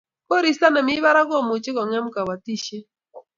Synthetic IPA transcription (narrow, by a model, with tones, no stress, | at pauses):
kɔ˦ɾi˨sa˦na˨mɪ˦ba˦ɾa˦ɡɔ˦˨mʊ˨t͡ʃɪ˦kɔ˨ŋɛ˦mka˨wa˨ti˦ʃe˦